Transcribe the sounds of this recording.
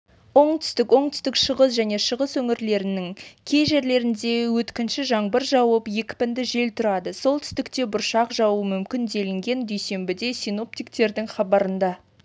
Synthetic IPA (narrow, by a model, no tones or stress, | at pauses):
wo̞ɴt̪ʰʏ̥st̪ɪkwo̞ɴt̪ʰʏ̥st̪ɪkʃəʁəsʒæne̞ʃəʁəswɵŋɪɾle̞ɾɪnɪŋkʲʰe̞jʒe̞ɾle̞ɾɪnd̪e̞wɵt̪kʲɪnʃɪʒɑɴbəɾʒɑwəpje̞kʲɪ̥pɪnd̪ɪʒe̞lt̪ʰʊɾɑd̪əso̞lˠt̪ʰʏ̥st̪ɪkt̪e̞bʊɾʃɑqʒɑwəmʏmkʲɪnd̪e̞lɪŋɡʲe̞nd̪ejse̞mbɪd̪e̞sijno̞p̚t̪ijk̚t̪e̞ɾd̪ɪŋχɑbɑɾənd̪ɑ